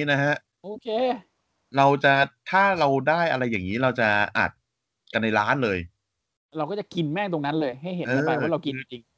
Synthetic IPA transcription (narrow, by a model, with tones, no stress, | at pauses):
i˦˥na˦˥kʰa˦˥ʔ | ʔoː˧kʰeː˧ | ɾa˧wt͡ɕa˨˩t̪ʰaː˥˩ɾa˧wdaː˥˩jʔa˧ɾa˧jːaː˨˩ŋiː˦˥ɾa˧wt͡ɕa˨˩ʔa̰ː˨˩t̪̚ | ka˧nːa˧jɾaː˦˥nlɤː˧j | ɾa˧wkɔ˥˩t͡ɕa˨˩ki˧nmɛː˥˩t̪o˧ŋna˦˥nlɤː˧jɦa˥˩jhe˨˦ɤː˦˧maː˧wwa˥˩ɾa˧wki˧a˥˩t͡ɕi˧ŋ